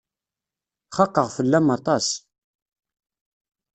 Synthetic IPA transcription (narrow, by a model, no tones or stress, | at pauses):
χɑqːəʁfəlːæmɑt̪ˤɑs